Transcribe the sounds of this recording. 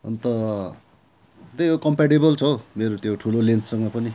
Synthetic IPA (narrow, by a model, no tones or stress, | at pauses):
ʌ̰nt̪ʌ | t̪ʌjokʌmpaʈebʌlt͡sʰʌmeɾot̪joʈʰulolent͡ssʌŋɡʌpʌni